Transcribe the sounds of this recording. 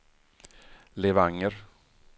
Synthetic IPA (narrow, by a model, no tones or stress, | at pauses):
leːvaŋːəɾ